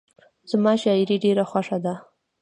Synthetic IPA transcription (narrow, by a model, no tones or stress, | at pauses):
z̥mɑʃɑɪɾiɖeɾaxwaʂad̪a